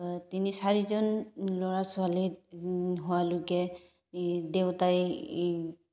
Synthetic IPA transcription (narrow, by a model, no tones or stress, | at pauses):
tinisaɹizɔnlɔɹasʊali | ɦʊwaloɡɛ | dewtaj